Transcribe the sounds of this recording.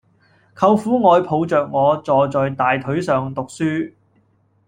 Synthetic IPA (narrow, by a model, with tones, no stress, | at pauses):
kʰɐ˧wfuː˨˥ŋɔː˨˧jpʰo˨˧wt͡sœː˨k̚ŋɔː˨˧t͡sɔː˨˧t͡sɔː˨jt̪aː˨jt̪ʰɵ˨˥ɥsœː˨ŋt̪ʊ˨k̚syː˥